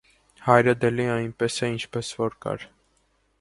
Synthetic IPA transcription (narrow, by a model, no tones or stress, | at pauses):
hɑjɾɛd̪ɛliɑjnpɛsɛint͡ʃʰpɛsvɔɾkɑ̰ɾ